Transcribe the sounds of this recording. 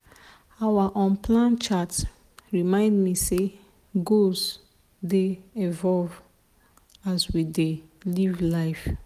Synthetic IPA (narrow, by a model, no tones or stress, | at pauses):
awaʔɔ̃npʰlãnt͡ʃat | ɹimãɪ̃ndmise | ɡoz | deɛvɔlv | aswidelivlaɪf